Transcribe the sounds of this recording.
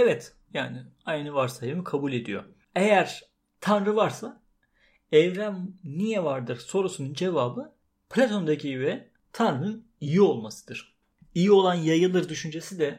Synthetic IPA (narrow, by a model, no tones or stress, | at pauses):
evɛt̪ | jaːnɪajnɯvaɾsaemikʰabulʲe̞d̪ḭjo̞̰ | ejæɾ̥ | t̪ʰanɾɯvaɾsa | ɛvɾæmnijɛvaɾd̪ɯɾ̥so̞ɾusunund͡ʒe̞vaːbɯ | pʰlʲat̪ʰo̞nd̪acʰijyɛ | t̪ʰanɾɯnɯn | ijio̞lˠmasɯ̥d̪̥ɯɾ̥ | ijio̞lˠanjajɯlˠɯɾd̪yʃynd͡ʒe̞sid̪ɛ